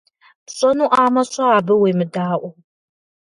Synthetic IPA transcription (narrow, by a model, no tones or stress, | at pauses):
pɕʼɔnuʔaːmɐɕʷʼɐːbɨwemɨdaːʔʷʊ